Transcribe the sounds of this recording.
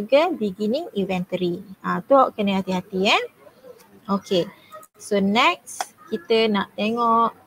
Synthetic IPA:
ɡəbiɡiniŋivɛ̃nt̪əɾiãt̪uɔʔkənəɦat̪iɦat̪ian | okʰe | sonɛk̚skit̪ənaʔt̪eŋɔʔ

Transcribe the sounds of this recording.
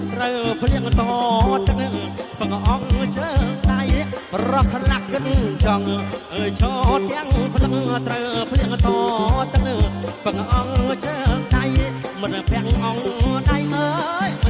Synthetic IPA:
t̪rəwpʰliəŋt̪ɔːt̪ɨk̚pək̚ʔɑŋt͡ɕəŋɗaj | prɔsalaʔkɨt̚t͡ɕɔŋ | ət͡ɕʰɑːt̪ɛəŋpʰlək̚t̪rəwpʰliəŋt̪ɔːt̪ɨk̚pəkʔɑŋt͡ɕəːŋɗajmɨnpɛəŋʔɑŋɗajʔəːj

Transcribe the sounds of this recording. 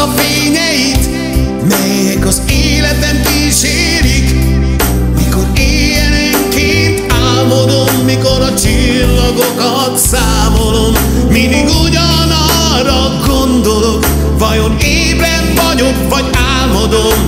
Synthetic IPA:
ɒfeːɲɛjit̪ | mɛjɛɡɒzeːlɛt̪ɛmki | ʃeː | ɾik | miko̞ɾeːjɛnɛŋkeːt̪aːlmod̪omːiko̞ɾɒt͡ʃi | lːɒɡokɒ | t̪saːmo̞lo̞mː | id̪iɡuɟɒ | nɒ | rɒ | ɡond̪o̞lok | vɒjo̞neːvɾɛnvɒɟokvɒɟaːlmod̪om

